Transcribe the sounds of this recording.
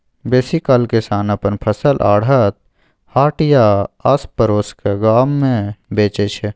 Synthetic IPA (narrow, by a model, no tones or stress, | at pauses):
beːsikɐlkɪsaːnɐpənpʰɐsəlʔa̰ːɽət̪̚ | haːʈjaɐspəɾoːskeɡaːmːẽbeːt͡ʃet͡ʃʰe